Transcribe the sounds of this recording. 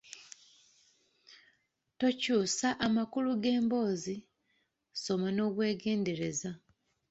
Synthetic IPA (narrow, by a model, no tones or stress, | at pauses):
to̞cuːsaʔamakuluɡe̞ːmbo̞ːzi | so̞mano̞ːβwe̞ːɡe̞ːnde̞ɾe̞za